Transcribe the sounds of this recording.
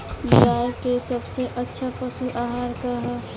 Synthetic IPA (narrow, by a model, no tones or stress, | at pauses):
d͡ʒjaːjkesəbseʔətːʃʰapəsuʔaːɦaːɾkəɦə